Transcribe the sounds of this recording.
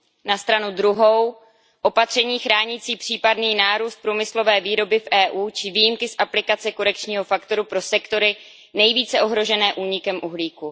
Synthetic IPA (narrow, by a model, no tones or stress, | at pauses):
nast̪ɾanudɾuɦo̞w | ʔo̞pat̪r̝̥ɛɲiːxɾaːɲiːt͡siːpr̝̥iːpadniːnaːɾuːst̪̚pɾuːmɪslo̞vɛːviːɾo̞bɪfʔɛːʔuːt͡ʃɪviːjimkɪsʔaplɪkat͡sɛko̞ɾɛk̚t͡ʃɲiːɦo̞fakt̪o̞ɾupɾo̞sɛkt̪o̞ɾɪ | nɛjviːt͡sɛʔo̞ɦɾo̞ʒɛnɛːʔuːɲɪkɛmʔuɦliːku